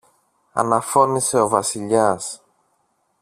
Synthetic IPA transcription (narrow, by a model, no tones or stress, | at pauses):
ɐ̰nɐfo̞nise̞o̞vɐsiʎɐs